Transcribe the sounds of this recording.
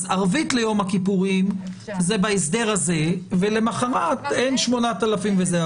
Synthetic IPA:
zaʁvit̪le̞jo̞makipuʁim | zebaes̬d̪eʁhaze̞vele̞maχaʁat̪e̞nʃmo̞nat̪alafimvezea

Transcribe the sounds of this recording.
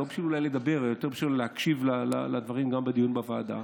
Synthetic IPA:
obi̥ʃululajle̞d̪abe̞ʁjot̪e̞ʁbi̥ʃulehakʃivlala̰lad̪vaʁimɡambed̪ijunbavaːd̪a̰

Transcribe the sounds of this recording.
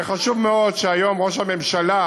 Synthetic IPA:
χaʃuvmeo̞dʃeajo̞mʁo̞ʃ̬hame̞mʃala

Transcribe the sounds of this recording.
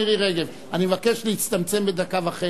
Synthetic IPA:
iʁiʁeɡev | animevakeʃleit͡st̪amt͡se̞mbed̪akavaχe

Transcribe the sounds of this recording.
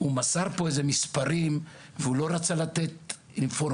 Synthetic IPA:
umasaʁpo̞ezemispaʁim | veulo̞ʁat͡salat̪et̪ | infoɾ

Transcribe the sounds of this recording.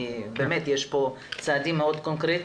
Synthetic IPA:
beːmet̪jeʃpo | t͡saːd̪imːeod̪konkɾet

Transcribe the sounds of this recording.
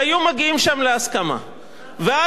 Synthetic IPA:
ajumaɡiimʃamleaskama̰ | vea

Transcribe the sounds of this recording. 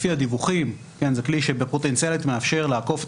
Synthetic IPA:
fiad̪ivuχim | ke̞nzekliʃebepo̞t̪e̞nt͡sialit̪meafʃe̞ʁleako̞f

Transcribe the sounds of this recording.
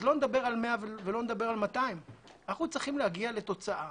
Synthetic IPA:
zlo̞ned̪abe̞ʁalmeavevelo̞ned̪abe̞ʁalmat̪aimnaχut͡sʁiχimlehaɡiale̞t̪o̞t͡saʔa

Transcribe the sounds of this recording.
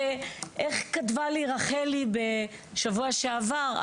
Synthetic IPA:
eʔeχkatvaliʁaχelibe̞ | ʃavuaʃeavaʁ

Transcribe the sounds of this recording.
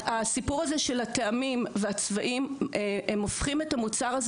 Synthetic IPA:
asipuʁazeʃe̞lateamimveat͡svaʔimeemofχimetamut͡saʁaz

